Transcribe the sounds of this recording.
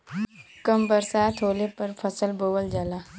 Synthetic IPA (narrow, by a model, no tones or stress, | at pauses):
kɐmbəɾsaːt̪ʰɦoːlepɐɾfʰɐsəlboːwəld͡ʒalaː